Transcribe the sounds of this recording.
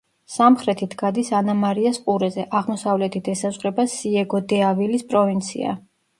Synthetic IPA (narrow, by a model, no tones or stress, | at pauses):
samχɾɛt̪ʰit̪ʰɡad̪isanamaɾiasqʼuɾɛzɛʔaʁmɔsavlɛt̪ʰid̪ʰɛsazʁɾɛbasiɛɡɔd̪ɛavilispʼɾɔvint̪sʰḭa̰